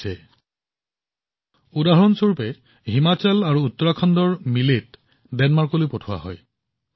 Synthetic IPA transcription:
ɛ | udaɦɔnsuɹpɛ | ɦimat͡ɕɛlaɹuːtːɔɹakʰɔndɔɹmilit | dɛnmaɹkolojpotʰʊwa̰ɦɔ̰j

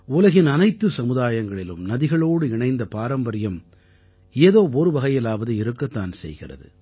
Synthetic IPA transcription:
ʊlɐɣɪnɐnɐɪt̪ːɯsɐmɯðaːjɐŋɡɐɭɪlɯ̰mnɐðɪɣɐɭoːɽɯɪɳɐɪnd̪ɐpaːɾɐmbɐɾɪjɐm | eːðoːɔɾɯʋɐɣɐjɐlaːʋɐðɯɪɾɯkːɐt̪ːaːnsɛ̰jɣɪ̰rɐ̰ðɯ̰

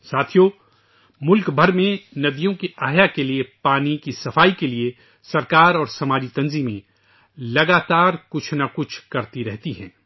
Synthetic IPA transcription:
saːt̪ʰijo | mʊlkbʱɐɾmẽnɐd̪ijõkiʔaːɦjakeliepaːnikisɐfaːikelie | sɐɾkaːɾɔːɾsɐmaːd͡ʒit̪ɐ̃nziːmẽ | lɐɡaːt̪aːɾkʊt͡ʃʰnakʊt͡ʃʰkɐɾt̪iɾɛɦt̪iɦɛ̰̃ː

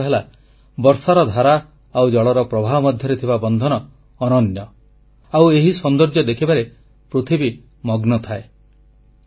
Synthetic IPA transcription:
ɦela | bɔɾsaɾɔd̪ʱaɾa | awd͡ʒɔɭɔɾɔpɾɔbʱaɦɔmɔd̪ʱjɔɾet̪ʰibabɔnd̪ʱɔnɔː | nɔnjɔ | aweɦisɔnd̪ɔɾd͡ʒjɔd̪ekʰibaɾe | pɾut̪ʰibi | mɔɡnɔt̪ʰae

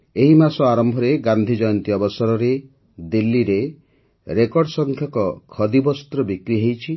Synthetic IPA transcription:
eɦimasɔaɾɔmbʱɔɾeɡand̪ʱid͡ʒɔjɔnt̪iɔbɔsɔɾɔɾe | d̪ilːiɾe | ɾekɔɖɔsɔŋkʰjɔkɔkʰɔd̪ibɔst̪ɾɔbikɾiɦejt͡ʃʰi

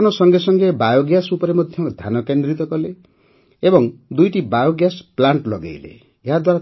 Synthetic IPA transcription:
nʌsʌŋɡesʌŋɡebajoɡjasupʌɾemʌd̪ʱjʌd̪ʱanʌkend̪ɾit̪ɔkɔle | ebɔŋd̪ujʈibajoɡjasplaɳʈlʌ̰ɡa̰jlḛ | jad̪waɾa

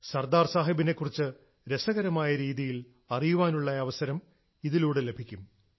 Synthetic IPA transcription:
sɐrd̪aːrsaːɦɐbinekːurit͡ɕːɨ | ɾe̞sɐɣɐɾɐmaːjɐɾiːðijil | ɐrijuʋaːnuɭːɐɐʋɐsɐɾɐm | iðiluːɽɨle̞bʱikʲːum

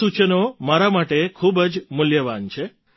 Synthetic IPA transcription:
ut͡ʃənomaɾamaʈekʰubəd͡ʒmʊljəʋant͡ʃʰe

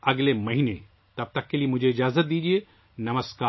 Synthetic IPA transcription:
ɐɡlemɐɦine | t̪ɐb̚t̪ɐkːeliemʊd͡ʒʱeɪd͡ʒaːzət̪̚d̪iːd͡ʒie | nɐməskaː

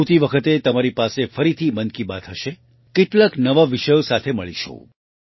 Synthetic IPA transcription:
t̪iʋəkʰət̪et̪əmaɾipasefəɾit̪ʰimənkibat̪ɦəʃe | keʈlaknəʋaʋiʃəjosat̪ʰeməɭiʃʰo̰

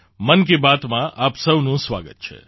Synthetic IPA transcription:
mənk̬ebat̪mãʔapsəwnũsʋa̰ɡə̰t̪̚t͡ʃʰḛ

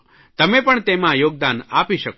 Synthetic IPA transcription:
t̪əmepəɳt̪emãjoɡ̚d̪anapiʃək

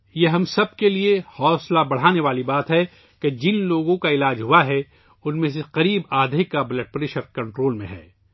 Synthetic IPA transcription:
jeɦɐ̃msɐb̚keliehɔːslabɐɽ̤aːneʋaːlibaːt̪ɦɛ | ked͡ʒɪnloːɡõkaɪlaːd͡ʒɦuaɦɛ | ʊnmẽs̬eqɐɾiːbaːd̪ʱɪkːabɐləʈ̚pɾɪʃəɾkɐ̃ɳʈɾoːlmẽɦɛ̰ː

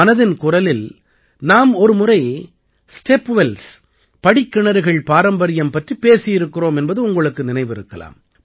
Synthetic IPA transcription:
ɐnɐðɪnkʊrɐlɪl | naːmɔɾɯmʊrɐɪ | sʈeːpːʋɛls | pɐɽɪkːɪɳɐɾɯɣɐɭpaːɾɐmbɐɾɪjɐmpɐʈripeːsɪjɪɾɯkːɪroːmɛnbɐðɯʊŋɡɐɭɯkːɯnɪnɐɪʋɪɾɯkːɐla̰ːm

